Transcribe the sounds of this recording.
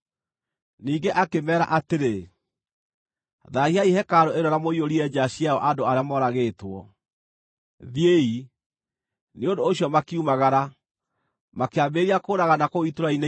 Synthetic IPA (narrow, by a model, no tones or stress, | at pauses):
niːɡeʔakemɛːɾa̰ʔateɾe | ðaiaihɛkaɾoeɾɔɾamoioɾiɛd͡ʑaɕijaɔʔadoaɾeamɔɾaɣeːtwɔ̰ | ðiei | neondoːɕjɔmakiumaɣaɾa | makeambeɾiakoːɾaɣanakoitoɾaine